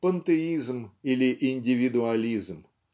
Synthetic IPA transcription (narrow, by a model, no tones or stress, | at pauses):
pɐnt̪eizmilʲiʔinʲdʲɪʋʲid̪ʊalʲizm